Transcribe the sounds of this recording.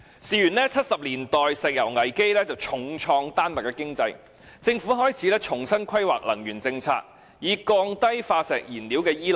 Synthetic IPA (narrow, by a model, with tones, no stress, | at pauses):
siː˨˩jyː˨˩nlɛː˥t͡sʰɐ˥t̚sɐ˨p̚liː˨˩nt̪ɔː˨jsɛː˨˩k̚jɐ˨˩wŋɐ˨˩jke˥jlɛː˥t͡sɐ˨wt͡ʃʰʊ˨˧˥ŋt͡ʃʰɔː˧ŋt̪aː˥nmɐ˨˩kɛː˧kɪ˥ŋt͡sɐ˧j | t͡sɪ˧ŋfu˨˥ɦɔː˥jt͡sʰiː˨˥lɛː˥t͡ʃʰʊ˨˩ŋsɐ˥nkʰɐ˥jwa̰ː˨˩k̚lɐ˨˩ŋjyː˨˩nt͡sɪ˧ŋt͡sʰa̰ː˧k̚ | jiː˨˧kɔː˧ŋt̪ɐ˥jfaː˧sɛː˨k̚jiː˨˩nliː˨˥wkɛː˧jiː˥l